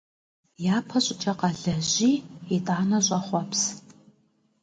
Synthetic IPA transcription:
jaːpʰɐɕʼɪt͡ʃʼɐqɐɮɐʑiːitʼaːnɐɕʼɐχʷɔps

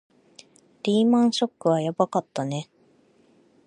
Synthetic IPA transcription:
d̪̥ʲiːmãɰ̃ɕo̞kːɯ̟βajabakat̪ːane̞

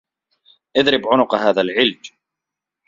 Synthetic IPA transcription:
ʔɪðɾɪbʕʊnʊqhaːðalʕɪld͡ʒ

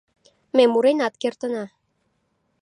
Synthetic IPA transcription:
memuɾenɑt̪kert̪ənɑ

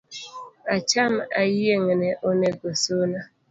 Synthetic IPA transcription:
at͡ʃamajijeŋeneʔoneɡosona

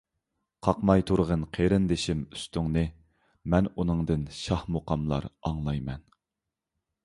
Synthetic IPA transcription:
qʰɑqmɑjt̪ʰuɾʁənqʰeɾɪnd̪ɪʃimy̥st̪yŋnɨ | mɛnunɨŋd̪ɨnʃɑhmoqɑmlˠɑ̰ɾɑŋlˠɑjmɛn

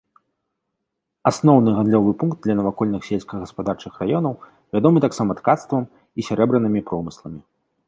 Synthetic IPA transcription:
asnɔwnɨɣand̪lʲɔvɨpunkd̪d̪lʲɐnɐvakɔlʲnɨxsʲelʲsʲkɐɣɐspad̪art͡ʂɨxrajɔnɐw | vʲad̪ɔmɨt̪aksamɐt̪kat̪st̪vɐm | isʲaɾɛbɾɨnɨmʲipɾɔmɨslˠɐmʲi

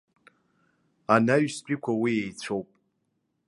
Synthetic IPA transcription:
anaɥspʼikʷʰawijejt͡sʷʰowpʼ

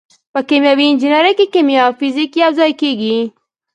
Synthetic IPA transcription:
pəkemjawiɪnd͡ʒinaɾakekemjafizikiawzɑjkeɡi

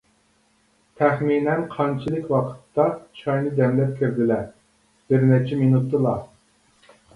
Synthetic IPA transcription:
t̪ʰɛχminɛnqʰɑnt͡ʃʰilˠɨkʲwɑqʰə̥t̪ːɑt͡ʃʰɑjnɨd̪ɛmlɛp̚kʲʰøɾd̪ɪlɛ | b̥ɪɾnɛt͡ʃʰɛminut̪ʰːɨlˠɑ

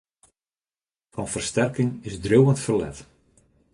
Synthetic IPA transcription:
fɑnfərstɛrkɪŋɪzdrøwəntfərlɛ̰t

